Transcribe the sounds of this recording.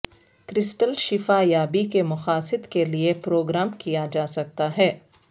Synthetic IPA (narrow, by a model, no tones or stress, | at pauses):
kɾɪsʈəlʃɪfajaːbikemʊxaːsɪd̪keliepɾoːɡɾaːmkijad͡ʒaːsɐk̚t̪aɦɛː